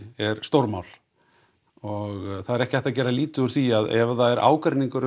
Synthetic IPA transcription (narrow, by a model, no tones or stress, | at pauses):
ɛɾst̪owɾmawl̥ | ɔɣθaðɛɾɛhcɪajht̪acɛːɾaliːt̪ʏʏɾ̥θiaðɛvðaɛɾʔa̰ːwkaɾniŋkʏɾ